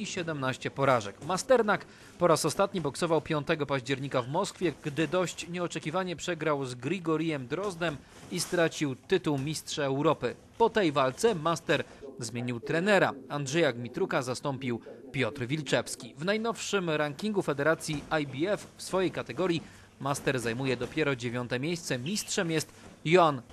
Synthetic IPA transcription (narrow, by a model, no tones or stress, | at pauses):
iɕɛd̪ɛmnaɕt͡ɕɛpɔɾaʐɛkmast̪ɛɾnak | pɔɾasɔst̪at̪ɲibɔksɔvawpʲjɔnt̪ɛɡɔpaʑd͡ʑɛɾɲikavmɔskfʲjɛɡd̪ɘd̪ɔɕt͡ɕɲɛɔt͡ʂɛkʲivaɲɛpʂɛɡɾawzɡɾiɡɔɾʲijɛmd̪ɾɔzd̪ɛm | ist̪ɾat͡ɕiwt̪ɘt̪uwmʲistʂaɛwɾɔpɘ | pɔt̪ɛjvalt̪sɛmast̪ɛɾzmʲeɲiwt̪ɾɛnɛɾa̰andʐɛjaɡmʲit̪ɾukazast̪ɔmpʲiwpʲjɔt̪ɾvʲilt͡ʂɛfskʲivnajnɔfʂɘmɾaŋkʲiŋɡufɛd̪ɛɾat̪sʲjiajbʲiɛffsfɔjejkat̪ɛɡɔɾʲji | mast̪ɛɾzajmujɛd̪ɔpʲjɛɾɔd͡ʑevʲjɔnt̪ɛmʲjejst̪sɛmʲistʂɛmjɛst̪jɔan